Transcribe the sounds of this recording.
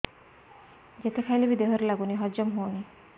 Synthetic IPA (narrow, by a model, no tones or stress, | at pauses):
d͡ʒet̪ekʰajlebid̪eɦɔɾelaɡuniɦɔd͡ʒɔmɦowni